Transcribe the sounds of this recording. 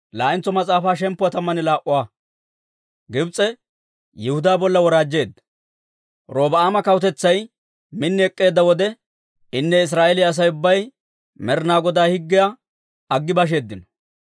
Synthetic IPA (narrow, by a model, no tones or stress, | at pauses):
laːʔɪnt͡sːɔmɐt͡sʼaːfaːʃɛmpːʊwɐt̪ɐmːɐnɪlaːʔʊwaː | ɡɪbt͡sʼːɛ | jɛhʊd̪aːbɔlːɐwɔɾaːd͡ʒːe̞ːd̪ːɐ | ɾo̞ːbɐaːmɐkɐwʊt̪ɛt͡sːɐj | mɪnːɪɛkʼːe̞ːd̪ːɐwɔd̪ɛ | ɪnːɛɪs̬ɾaːʔɛlɪɐs̬ɐjʊbːɐj | mɛɾnaːɡɔd̪aːhɪɡːɪja | ɐɡːɪbɐʃ̬e̞ːd̪ːɪnɐ